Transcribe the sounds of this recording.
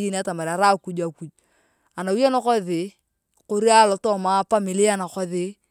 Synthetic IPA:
ji˦n˦a˦ta˨ma˨ɾa˨ɾa˦ku˦d͡ʒa˨ku˨d͡ʒ | a˨na˨wu˦ja˦na˦kɔ˦ðɪ˨ | ko˦ɾi˦a˦lɔ˨tɔ˦ma˦pa˦mɪ˨lɪ˦a˦na˨kɔ˦ðɪ˨˦

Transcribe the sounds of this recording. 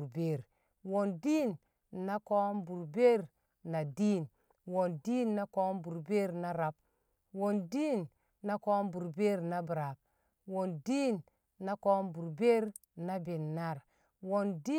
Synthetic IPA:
ɾbe˦˨ɾ | wo˨ndi˦nː | a˦ko˦mbu˨ɾbe˦ɾ | na˨diː˦˨n | wo˨ndi˦nːa˦ko˦mbu˨ɾbe˦ɾna˦ɾa˨b̚ | wo˨ndi˦n | na˦ko˦mbu˨ɾbe˦ɾna˦bɾa˨b̚ | wo˨ndi˦nː | a˦ko˦mbu˨ɾbe˦ɾ | na˦be˨nːa˦˨ɾ | wo˨ndi˦

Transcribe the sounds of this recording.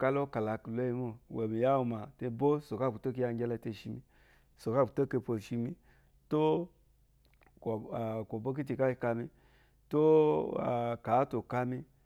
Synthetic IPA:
ka˧lo˦ka˨la˨klo˦i˧˦mo˨we˨mi˨ja˦u˧ma˨te˧bo˦so˨ka˦˨ku˨to˦k̬i˧ja˧ɡʲe˧la˧˦te˧ʃi˧mi˧ | so˨ka˦˨ku˨to˦ke˧po˧˨ʃi˧mi˧ | to˦˨ | ko˨bo˦k̬i˦ti˧ka˦i˧ka˧mi˧ | to˦a̰˨ka˨˦to˨ka˧mi˧

